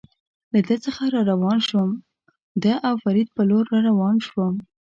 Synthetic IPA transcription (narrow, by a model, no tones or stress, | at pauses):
lad̪ət͡səxaɾɑɾawɑnʃwəm | d̪əʔawfaɾid̪̚pəloɾːɑɾawɑnʃwəm